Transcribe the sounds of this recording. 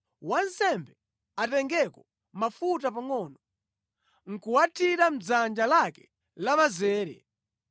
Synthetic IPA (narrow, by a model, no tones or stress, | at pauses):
wansɛmbɛ | atɛŋɡɛkɔ | mafutapaŋɔnɔ | ŋ̩kuwatʰiɾam̩d͡zand͡ʒalakɛ̥ | lamazɛːɾɛ̰